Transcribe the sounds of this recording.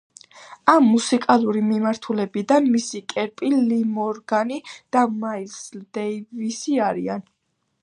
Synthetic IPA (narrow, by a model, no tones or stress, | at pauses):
amːusikʼalˠuɾimimaɾt̪ʰulɛbid̪anmisikʼɛɾpʼilimɔɾɡanid̪̥amaisld̪ɛjvisiaɾḭan